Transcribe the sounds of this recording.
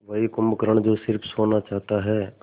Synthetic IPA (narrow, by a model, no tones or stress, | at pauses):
ʋɐɦikʊmbkəɾəɳ̃d͡ʒosɪɾpʰsoːnat͡ʃaːɦt̪aɦɛː